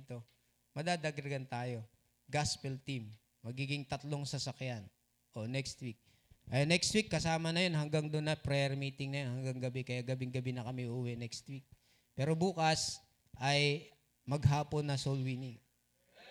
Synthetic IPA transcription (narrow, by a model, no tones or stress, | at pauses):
t̪o̞ | mɐd̪aːd̪ɐɡɾɡɐnt̪aːjo̞ | ɡaspɛlt̪imː | ɐɡiːɡɪŋt̪ɐt̪lo̞ŋsɐsɐkjan | ʔonɛkst̪wik̚ | ʔɐnɛkst̪wikːɐsaːmɐnɐjonɦɐŋɡaŋd̪onːɐpɾɛɛɾmiːt̪ɪŋnɐjonhɐŋɡaŋɡɐbɛkɐjaɡɐbɪŋɡɐbɪnɐkɐmiʔuːwɛnɛkst̪wik̚ | pɛːɾo̞buːkɐs | ʔɐj | mɐɡɦaːpo̞nːɐsolwini